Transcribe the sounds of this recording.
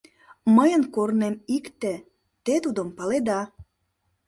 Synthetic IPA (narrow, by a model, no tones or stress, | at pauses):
məjənkornemikt̪ĕ | t̪et̪ud̪ompɑled̪ɑ